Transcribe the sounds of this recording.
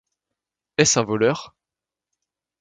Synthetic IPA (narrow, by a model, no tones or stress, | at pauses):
ɛsɛ̃vɔlœʁ